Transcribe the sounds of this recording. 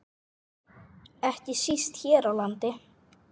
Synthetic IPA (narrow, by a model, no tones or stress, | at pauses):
ɛhcɪsist̪çɛːɾawlant̪ɪ